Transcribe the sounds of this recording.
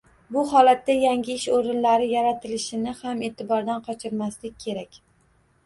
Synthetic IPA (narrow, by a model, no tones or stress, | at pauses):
bʊhɒlat̪ːajaŋʲɪɪʃoɾɪnlaɾɪjaɾat̪ʰɪlɪʃɪnɪhamet̪ʰɪbɒɾd̪anqʰɒt͡ʃʰɪɾmaslɪk̚ʲʰːe̞ɾakʲ